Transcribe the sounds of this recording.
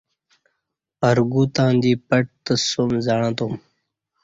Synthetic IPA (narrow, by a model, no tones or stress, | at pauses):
pəɾɡuːt̪ãːnd̪iːpɐʈ̚t̪əsomzaɽ̃ãːt̪om